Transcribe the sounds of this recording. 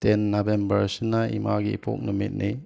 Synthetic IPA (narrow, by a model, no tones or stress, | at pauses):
tenːabembəɾsinaḭmaɡḭpʰɔ̰k̚numit̚ni